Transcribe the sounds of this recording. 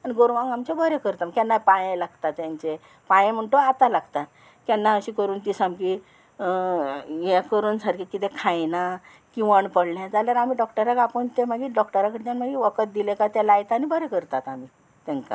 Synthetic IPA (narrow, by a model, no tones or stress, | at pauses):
aniɡoɾʋãŋɡamt͡ɕabʱəɾekəɾt̪aməkɛnːapajẽlaɡt̪at̪ːjaɲt͡ɕe | pajẽm̤əɳʈoat̪alaɡt̪at̪ | kɛnːaəɕikəɾuːnt̪isamki | jɛkəɾuːnsaɾkʰikit̪ekʰãjna | kiʋaɳpəɽɳjad͡zaljaɾamiːɖɔkʈəɾakapəɳt̪eməɡiːɖɔkʈəɾakəɽt̪janməɡiːʋəkət̪̚d̪ilekat̪ɛlajt̪anibʱəɾekəɾt̪at̪ami | t̪ɛ̃ŋka̰